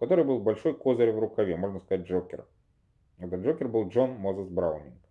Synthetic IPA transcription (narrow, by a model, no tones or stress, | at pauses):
kɐt̪o̞ɾɨjbɨlˠbɐlʲʂo̞jko̞zəɾʲvɾʊkɐvʲemo̞ʐnəskɐzat̚ʲʐokʲɪ̰r | ɛt̪əʐokʲɪrbɨlˠʐo̞nmozəsbɾaʊnʲɪnk